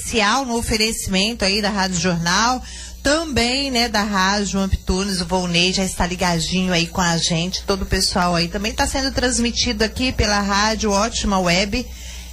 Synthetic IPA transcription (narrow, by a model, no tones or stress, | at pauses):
siawnʊofeɾesimẽnt̪ʊaid̪ɐɦad͡ʒʊʒoɾnaw | t̪ɐ̃bẽj̃nɛd̪ɐɦad͡ʒʊɐ̃mpi̥t̪unɪzʊvowneʒaɪst̪aliɡad͡ʒĩɲʊaikõɐʒẽnt͡ʃɪ̥t̪od̪ʊpesuawait̪ɐ̃mbẽj̃t̪asẽnd̪ʊt̪ɾɐ̃zmit͡ʃid̪ʊakipelɐɦad͡ʒʊɔt͡ʃimɐwɛbɪ